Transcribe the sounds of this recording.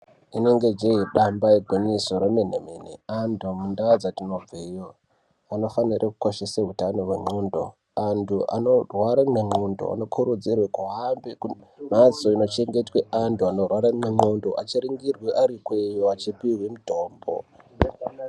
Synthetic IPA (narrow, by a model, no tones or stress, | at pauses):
ine̞ŋɡe̞d͡ʒeiɗambaiɡʱoɲisoɾemen̤emenḛandʱomundaad͡zatino̞b͡vejo | ano̞fanirʔekukoʃisaɦutano̞rweŋ͡ǃondo̞̰ | antʰuʔa̰norwaɾameŋ͡ǃondo̞̰a̰no̞kʰuɾud͡zirwekuɦambeku | mat͡so̞ino̞t͡ʃe̞ŋɡe̞tweantuano̞rwaɾameŋ͡ǃondoʔat͡ʃiɾiŋɡirweʔaɾikwejoat͡ʃipiwemutoːmbo̰